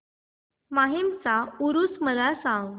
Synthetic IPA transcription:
maɦemt͡sauɾusməlasãŋɡ

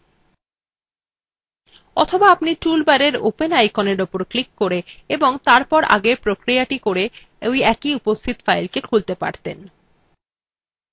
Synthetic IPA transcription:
ɔt̪ʰobaapniʈulbaɾeɾo̰penajkoneɾopoɾklikːoɾeeboŋt̪aɾpɔɾʔa̰ɡepɾokɾijaʈikoɾe | ojɛkiupost̪ʰit̪fajlkekʰult̪epa̰ɾt̪en

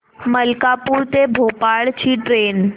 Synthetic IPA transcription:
məlkapuːɾt̪ebʱopaɭt͡ɕiːʈɾeːn

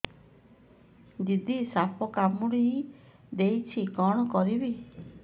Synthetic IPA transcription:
d͡ʒid̪ʱisapʰɔkamuɽiɦi | d̪ejt͡ʃʰikɔɽ̃ɔkɔɾibi

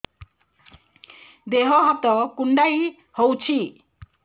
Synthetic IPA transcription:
d̪eɦʌɦʌt̪ɔkuɳɖaj | howt͡sʰi

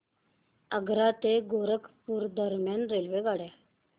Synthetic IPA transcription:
əɡɾat̪eɡoɾəkpuːɾd̪əɾmjanɾelʋeɡaɽe

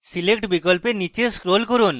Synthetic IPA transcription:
silekʈbikolpenit͡ɕeskɾolkoɾun

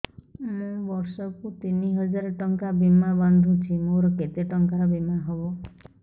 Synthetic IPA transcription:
mũbɔɾsɔkut̪iniɦɔd͡ʒaɾɔʈɔŋkabimaband̪ʱũt͡ʃʰimoɾɔket̪eʈɔŋkaɾɔbimaɦɔbo

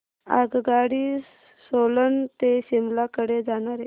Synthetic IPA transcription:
a̰ɡɡaɽiː | solənt̪eɕimlakəɽed͡zaɽ̃aɾe

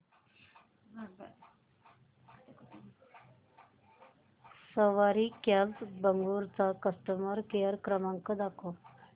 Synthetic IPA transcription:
səʋaɾikalbəŋɡuɾt͡sakəst̪əməɾkejəɾkɾəmaŋkɔd̪ako

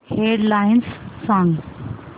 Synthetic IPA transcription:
heɖlajnssãŋɡ

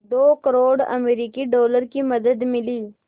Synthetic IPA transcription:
d̪okəɾoːɽɐ̰meɾikiɖoːləɾkimɐd̪əd̪mɪli

